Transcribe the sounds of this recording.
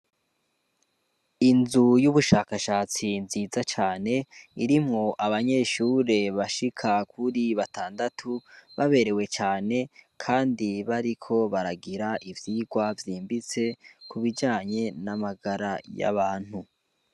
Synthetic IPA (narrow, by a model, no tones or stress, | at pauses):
inzujuβuʃaːkaʃaːt͡sinziːzat͡ʃaːne̞iɾimŋo̞ʔaβaɲe̞ʃuːɾe̞βaʃikʰakʰuɾiβatʰaːndatʰuβaβe̞ɾe̞we̞t͡ʃaːne̞kʰaːndiβaɾikʰo̞βaɾaɡiɾaʔivjiːɡwavjiːmbit͡se̞kuβid͡ʒaːɲe̞namaɡaɾaja̰βaːn̥hu